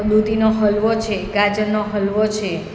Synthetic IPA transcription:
d̪ud̪ʱinoɦəlʋot͡ʃʰeɡad͡ʒənːoɦəlʋot͡ʃʰe

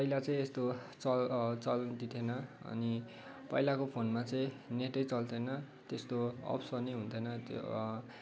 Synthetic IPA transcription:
pʌilat͡sʌĩest̪ot͡sʌt͡sʌld̪it̪ʰenʌʌ̰ni | pʌilakopʰonmat͡sʌ̃ĩ | neʈʌjt͡sʌlt̪ʰenʌ | t̪est̪oʌ̰psʌnejɦunt̪ʰenʌt̪

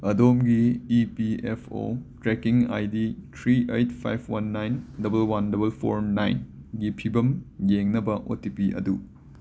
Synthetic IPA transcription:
ɐdomɡiipiepʰo̰tɾekiŋa̰jditʰɾiejt̚pʰa̰jpʰwanːajndɐbɐlwandɐbɐlpʰo̰ɾnajnɡipʰibɐmjeŋnɐbɐʔo̰tipiʔɐ̰du

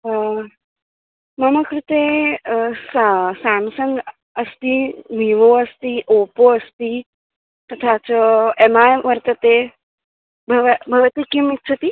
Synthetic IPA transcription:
məməkɾɪt̪e | ssamsən | əst̪iniʋoəst̪iʔopoəst̪i | t̪ət̪ʰat͡ʃemajʋəɾt̪ət̪e | bʱəʋbʱɐʋət̪ikimit̪t͡ʃʰət̪i

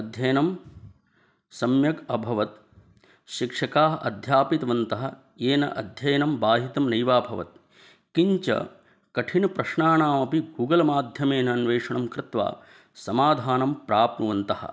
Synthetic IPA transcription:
ɐd̪ʱjɐjɐnɐm | sɐmjɐkɐbʱɐʋɐt̪̚ | ʃikʂɐkaːɐ̰d̪ʱjaːpit̪ɐʋɐnt̪ɐɦɐ̆ | eːnɐ̰ʔɐd̪ʱjɐjɐnɐmbaːɦit̪ɐmnɐjʋaːbʱɐʋɐ̰t̪̚ | kiɲt͡ʃɐ̰ | kɐʈʰinɐpɾɐʂɳaːnaːmɐpiɡʱuːɡɐlɐmaːd̪ʱjɐmeːnɐːnʋeːʂɐɳɐmkɾɪt̪ʋa̰ː | sɐmaːd̪ʱaːnɐmpɾaːp̚nuʋɐnt̪ɐhɐ̰

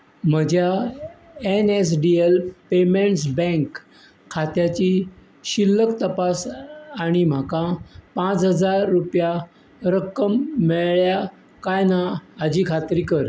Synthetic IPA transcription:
m̤əd͡ʑja | enes̬ɖielpemeɳʈs̬bɛ̃ŋkʰː | at̪jat͡ɕi | ɕilːəkt̪əpasaɽ̃im̤akãpãt͡sɦəd͡zaɾːupja | ɾəkəmːeɭɭja | kajnaːd͡ʑiːkʰat̪ɾiːkəɾ

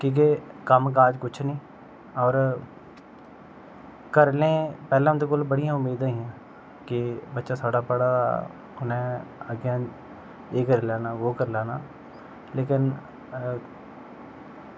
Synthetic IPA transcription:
kĩːk̬ekəmkaːd͡ʒkʊt͡ʃʰnĩː | ɔːɾ | kəɾlẽːpɛːlãd̪ʊkʊlbəɽijãːʊmːiːd̪aɦĩɛ̃ː | kibətːʃaːsʰoːɽaːpəɽa | ʊnẽəɡjã | eːkəɾlaːnaːʋoːkəɾlaːnaː | leːkɪn

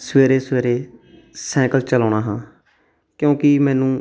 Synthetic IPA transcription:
sʋeːɾeːsʋeːɾeː | sɛ̃ːkəlt͡ʃəlaːɳaːɦãː | kjõːkɪmɛ̃ːnũː

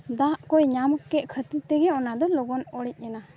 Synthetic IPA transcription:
d̪aʔkɔjɲaməkːɛʔkʰət̪it̪ɛɡɛɔnad̪ɔlɔɡɔnɔɽɛc̚ˀɛna

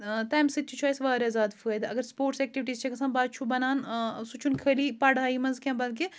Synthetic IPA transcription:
t̪ɛːmsit̪̚t͡ʃʰut͡ʃʰaːjsʋaːɾezaːd̪fʰued̪ɐɡəɾspoːɾʈsɛːk̚ʈiʋiʈiːzt͡ʃʰekɐsãːnbaːd̪̚t͡ʃʰubɐnaːnsut͡ʃʰunkʰəlipɐɽaːimɐnzkʲɛ̃ːbɐlk̬e

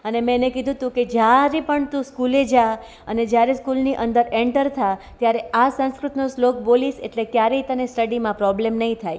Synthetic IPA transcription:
ənemẽnekid̪ʱũt̪ũked͡ʒjaɾepəɳt̪ũskuled͡ʒa | əned͡ʒjaɾeskulniʔə̃nd̪əɾẽɳʈəɾt̪ʰa | t̪jaɾeʔasə̃ñskɾʊt̪noslok̚bolisḛʈlekjaɾeit̪ənesʈəɽimãpɾɔblemnəɦĩt̪ʰaj

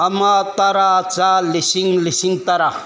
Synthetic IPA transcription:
ɐmat̪aɾat͡salisiŋlisiŋt̪ɐɾa

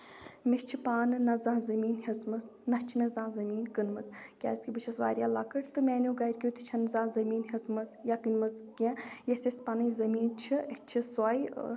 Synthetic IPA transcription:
mest͡ʃʰipaːnɨnɐzãːzɐmiːnɦizmɐt̪nɐt͡ʃʰimẽzãːzɐmiːnkɨnmɐt͡s̪ʰkʲa̰ːsʲkʰʲibɨt͡ʃʰɐsʋa̰ːɾʲjaːlaːkɐʈt̪ɨmʲeːnuɡaːiɾʲkʲiut̪it͡ʃʰɐnzãːzɐmiːnɦizmɐt̪ʰjakɨnmɐt͡skẽjesʲesʲpanɐizɐmiːnt͡ʃʰiɐt͡ʃʰiswaːj

